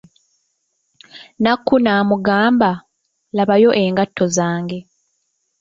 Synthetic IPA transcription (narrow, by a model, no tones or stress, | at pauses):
nakːunaːmuɡaːmba | laβajo̞ʔe̞ːŋɡatːo̞zaːŋɡe̞